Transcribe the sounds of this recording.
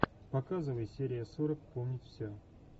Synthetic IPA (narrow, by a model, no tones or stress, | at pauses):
pɐkazɨvəjsʲeɾʲɪjəsuɾəkpomnʲɪtʲfsʲɵ